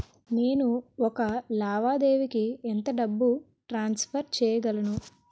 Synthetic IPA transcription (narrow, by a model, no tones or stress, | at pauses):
ne̞ːnuɔkɐlaːʋaːd̪e̞ːʋikient̪ɐɖɐbːu | ʈɾaːnspʰɐɾt͡ʃɛːjɐɡɐlɐnu